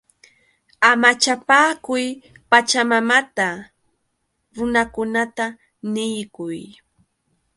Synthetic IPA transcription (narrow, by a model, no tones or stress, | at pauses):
amat͡ʃapaːkʊj | pat͡ʃamamat̪a | ɾʊnakʊnat̪a | nɪjkʊj